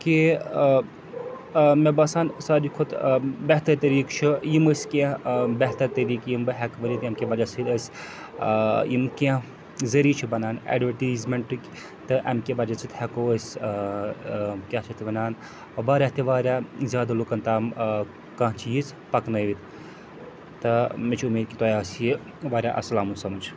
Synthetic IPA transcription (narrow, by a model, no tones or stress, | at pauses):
ki | mebɐsaːnsaːd͡ʒikʰut̪bɛɦt̪ɐɾt̪ɐɾiːkt͡ʃʰujiməsʲkãbɛɦt̪ɐɾt̪ɐɾiːkjimbɨɦɛkʋɐɾit̪ɐmkʲebɐd͡ʒasɨd̪əsʲ | jimkãɦ | zɐɾiːt͡ʃʰibɐnaːnɛ̰ɖʋɐʈizmeɳʈɨkʲ | t̪ɨʔɐ̰mkʲebɐd͡ʒɐt͡sʰɨt̪hɛkoːəsʲ | kʲat͡ʃʰɐt̪ʰibɐnaːn | ɐbaːɾʲaɦt̪ʰiʋaːɾʲjazʲjaːd̪alokɐnt̪aːm | kɐ̃ɦt͡ʃʰiiz | pɐknɐjʋit̪ | t̪ɨmit͡ʃʰumeːd̪̚kʲit̪ɔːjaːsji | ʋaːɾʲjaʔɐ̰sɐlaːmunsɐmɐt͡ʃʰ